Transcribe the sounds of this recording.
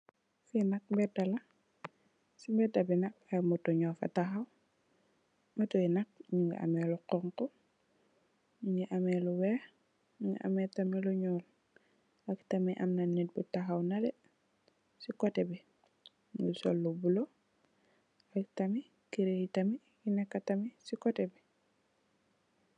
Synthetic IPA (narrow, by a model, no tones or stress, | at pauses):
finak̚mbɛdala | simbɛdabinak̚amutɔɲɔfa̰taxaw | matɔinak̚ɲuŋɡḭʔa̰mɛluqɔŋkɔ | ɲuŋiʔamɛluwɛːx | ɲuŋɡḭʔa̰mɛtamiluɲɔːl | aktamiʔamnanːit̚butaxawnadɛ | sikɔtɛbi | ŋusɔlːubulo | aktami | kiɾejitami | jinɛkːatamisikɔtɛbi